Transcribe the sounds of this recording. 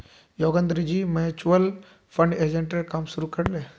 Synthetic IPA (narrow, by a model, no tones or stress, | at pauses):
joɡənd̪ɾid͡ʑiːmeɦet͡ɕuʋəl | fʰəɳɖed͡ʑeɳʈəɾkaːmsuɾukəɽle